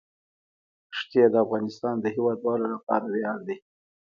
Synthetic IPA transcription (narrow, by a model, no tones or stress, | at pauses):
ʂt̪jed̪əafɣɑnɪst̪ɑnd̪əhiwɑd̪wɑlolapɑ̰ɾawjɑɽd̪i